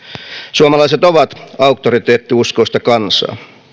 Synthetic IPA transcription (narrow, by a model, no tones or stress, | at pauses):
suomɑlɑiset̪oʋɑt̪ɑukt̪oɾit̪eːt̪ːiusko̞ist̪ɑkɑnsɑ̰ː